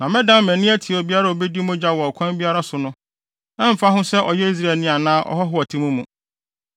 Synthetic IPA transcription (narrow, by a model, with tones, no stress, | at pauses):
nã˨mɪ̃˦dã˦m˦mæ̃˨nĩ˦æ˦tʰi˨ɔ˨bi˦a˦ɾa˦o˨be˦di˦mʊ̃˦d͡ʑa˦wɔ˨ɔ˨kʰʷã˦bi˦a˦ɾa˦sʊ˨nʊ̃˦ | nã˦m̩˨fa˦ɦʊ̃˦sɛ˦ʔɔ̰˨jɛ˦i˦s̬ɾa˦˨ɛ˨nɪ̃˦˨a˨nãː˦ʔɔ̰˦ɦɔ˦ɦʊ˦a˨tʰĩ˦mũ˦mũ˨